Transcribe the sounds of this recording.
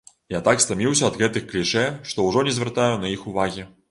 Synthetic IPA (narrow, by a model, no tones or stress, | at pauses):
jat̪akst̪amʲiwsʲɐɐd̪ɣɛt̪ɨxklʲiʂɛʂt̪ɔwʐɔnʲɛzʲvʲɛrt̪ajunɐixuvaɣʲi